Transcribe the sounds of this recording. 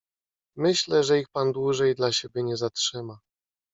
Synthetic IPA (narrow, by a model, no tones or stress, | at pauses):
mɘɕlɛʐɛixpand̪wuʐɛjd̪laɕebʲjɛɲɛzatʂɘma